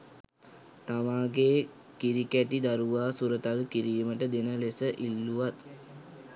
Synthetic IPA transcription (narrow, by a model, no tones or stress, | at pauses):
t̪amaːɡeː | kiɾikæʈid̪aɾuʋaːsuɾət̪alkiɾiːməʈəd̪enəlesəʔilːuʋat̪